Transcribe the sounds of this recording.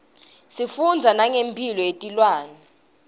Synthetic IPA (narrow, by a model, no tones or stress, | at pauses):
sifund͡zʱanaŋempʰilɔetʼilwaːnɛ